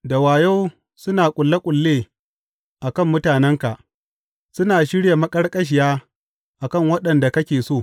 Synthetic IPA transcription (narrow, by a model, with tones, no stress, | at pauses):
da˨waː˨ja˦w | sʊ˦naː˨kʷʼʊ˨lːa˦kʷʼʊ˨lːeː˦ | ʔa˨kɐ˦˨mːʊ˦taː˨nɛ˦ŋka˨ | sʊ˦naː˨ʃɪ˦ɽja˨mɐ˦kʼɐ˦rkʼɐ˦ʃ̬ɪ˨jaː˦ | ʔa˨kɐ˦˨ŋwɐ˦ɗɐ˨nda˨kɐ˦kʲeː˨soː˦˨